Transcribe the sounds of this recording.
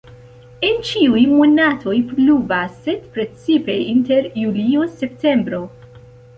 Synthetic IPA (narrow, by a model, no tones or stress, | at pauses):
ent͡ʃiujmunat̪ʰojpluvaset̪pɾet͡sipeinteɾjuliosept̪embɾo